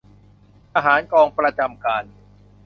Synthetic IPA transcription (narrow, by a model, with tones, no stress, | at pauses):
ʔaː˧ɦaː˩˦nkɔː˧ŋpɾa˧t͡ɕa˧mkaː˧n